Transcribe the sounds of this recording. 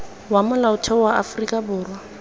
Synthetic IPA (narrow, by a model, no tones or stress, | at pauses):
wamʊlaʊtʰɛwaʔa̰frikʼabʊːrwa